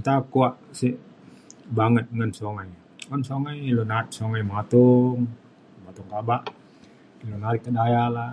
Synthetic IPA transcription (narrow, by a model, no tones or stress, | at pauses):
nt̪akuaʔsi | baŋət̪̚ŋənsoŋaj | ɔnsoŋajilonat̪̚soŋajmat̪uŋ | mat̪uŋkabaʔ | ilonalikːədajala